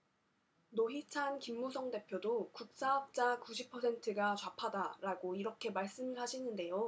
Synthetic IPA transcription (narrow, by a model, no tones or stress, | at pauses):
noɦit͡ɕʰankimːusʰʌŋde̞pʰjodokuk̚s͈aʌp̚t͡ɕ͈akuɕʰipʰʌsʰe̞ntʰɯɡat͡ɕwapʰadaɾaɡoiɾʌkʰe̞maɭs͈ɯmɯɭɦaɕʰinɯnde̞jo